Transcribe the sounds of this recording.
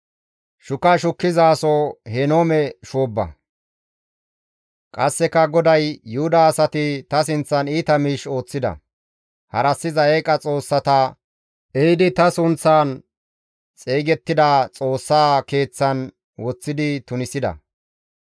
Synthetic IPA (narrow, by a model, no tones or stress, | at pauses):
ʃʊkɐʃʊkːɪzaːsɔhɛnoːmɛʃoːbːɐ̰ | kʼɐsːɛkɐɡɔd̪ɐjːʊhʊd̪ɐːsɐt̪ɪt̪ɐs̬ɪnt͡sːɐniːt̪ɐmiːʃo̞ːt͡sːɪd̪ɐ̰ | hɐɾɐsːɪzɐekʼɐt͡sʼo̞ːsːɐt̪ɐ | ɛɪd̪ɪt̪ɐsʊnt͡sːaːn | t͡sʼeːɡɛt̪ːɪd̪ɐt͡sʼo̞ːsːaːke̞ːt͡sːɐn | wɔt͡sːɪd̪ɪt̪ʊnɪsɪd̪ɐ̰